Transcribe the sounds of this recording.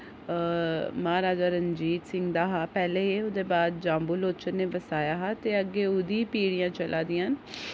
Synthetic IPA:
maːɾaːd͡ʒaːɾəɲd͡ʒiːt̪sɪ̃ŋɡd̪aːɦaːpɛːleːeʊd̪eːbaːd̪̚d͡ʒãːmbuloːt͡ʃənːeːbəsaːjaːɦaːt̪eːəɡːeːʊd̪ĩːpiːɽijãːt͡ʃəlʔaːd̪iːaan

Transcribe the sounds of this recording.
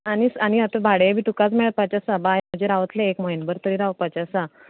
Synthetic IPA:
añisañiat̪əbʱaɽejebʱiːʈukat͡smeɭət̪̚pat͡ɕasabajm̤əd͡ʑeɾaʋət̪leːkməinbəɾt̪əɾiːɾaʋpat͡ɕasa

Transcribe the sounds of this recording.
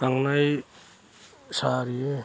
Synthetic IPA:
aŋnaj | saɾije

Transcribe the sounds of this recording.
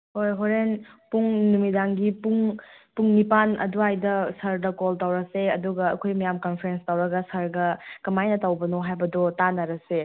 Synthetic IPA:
hojɦoɾenpuŋnumidaŋɡipuŋpuŋnipanɐ̰duajdɐsɐɾdɐkoltawɾɐseɐduɡɐːkʰojmɐjamkɐnpʰɾenstawɾɐɡɐsɐɾɡɐkɐmajnɐtawbɐnoɦajbɐdɔtanɐɾɐse

